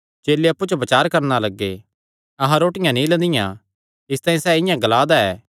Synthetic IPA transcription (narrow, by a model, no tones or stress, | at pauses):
t͡ʃeːlːeɐpːut͡ʃobɐt͡ʃaːɾkɐɾnalɐɡːe | ɐɦãɾoːʈɪjãnĩlɐ̃nd̪ɪjã | ɪst̪aːĩsɛːɪjãɡɐlaːd̪aɛː